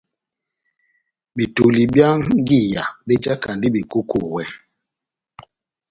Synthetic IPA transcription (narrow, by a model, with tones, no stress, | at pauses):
bi˨tu˨li˨bja˦ŋ˦ɡi˦˨ja˨be˦d͡ʒa˦ka˨ndi˦bi˨ku˦kʰu˨wɛ˦